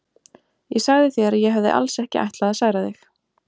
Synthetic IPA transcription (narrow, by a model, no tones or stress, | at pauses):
jɛsaɣðɪθjɛɾajɛɦavðɪ̰ʔa̰lsɛhcɪʔa̰jht̪laaðsaːɣɾaðɪx